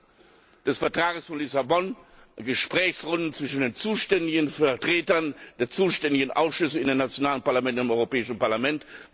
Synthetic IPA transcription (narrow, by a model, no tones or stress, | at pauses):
d̥ɛsfɛɐtʁ̥aːɡəsfɔnlɪsabɔnɡəʃpʁ̥ɛːçsʁʊndn̩t͡sv̥ɪʃn̩deːnt͡suːʃtɛndɪɡən̩fɛɐtʁ̥eːtɐnd̥eːɐt͡suːʃtɛndɪɡənʔaʊsʃʏsəɪndeːnat͡sjonaːlənpaɐlamɛntnɪmɔʏʁopɛːɪʃn̩paɐlamɛnt